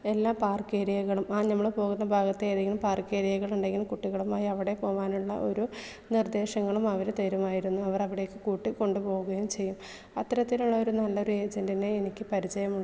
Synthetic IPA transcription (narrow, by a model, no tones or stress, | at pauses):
e̞lːaːpaːrkeːɾijɐɣɐɭumaːnɐmːɐɭpo̞ːɣunːɐbʱaːɡɐt̪ːeeːðeŋɡilumpaːrkeːɾijɐɣɐɭuɳɖeŋɡilumkuʈːiɣɐɭumaːjiɐʋiɽe̞po̞ːʋaːnuɭːɐ̰ʔo̞̰ɾu | nird̪e̞ːɕɐŋːɐɭumɐʋɐɾut̪eɾumaːjiɾunːuɐʋɐrɐʋiɽe̞jokːɨkuːʈːikːo̞ɳɖɨpo̞ːɣuɣɐjumt͡ɕe̞jːum | ɐt̪ːɐɾɐt̪ːiluɭːɐo̞ɾunɐlːɐoɾue̞ːd͡ʑɐndineːnikʲːɨpɐɾit͡ɕɐjɐmuɭːɐ